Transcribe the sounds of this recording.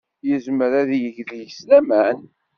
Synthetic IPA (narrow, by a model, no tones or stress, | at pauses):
jəzməɾæðijəʝðijəslæmæn